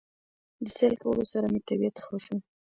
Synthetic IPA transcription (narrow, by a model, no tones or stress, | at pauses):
d̪əselkawə̰losaɾamet̪abijat̪xəʃu